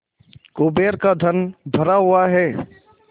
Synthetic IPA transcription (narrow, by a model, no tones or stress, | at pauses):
kʊbeːɾkad̪ʱənbʱəɾaɦʊaɦɛː